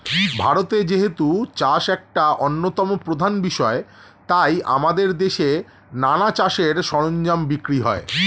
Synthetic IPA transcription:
bʱaɾot̪ed͡ʑeɦet̪ut͡ɕaʃɛk̚ʈaʔonːot̪ɔmopɾod̪ʱanbiʃɔe | t̪ajʔa̰mad̪eɾd̪eʃe | nanat͡ɕaʃeɾʃɔɾoɲd͡ʑambikɾiɦɔ̰e

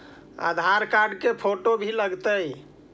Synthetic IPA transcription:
a̰d̪ʱaɾkaɾɖkepʰoʈobʱiləɡt̪əj

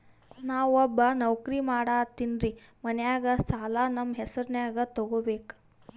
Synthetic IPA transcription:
nawɐbanəwkɾiːmaɽat̪inɾi | mənjaɡat͡saːlanɐmɦɛsəɾnjaɡat̪ɔɡobek

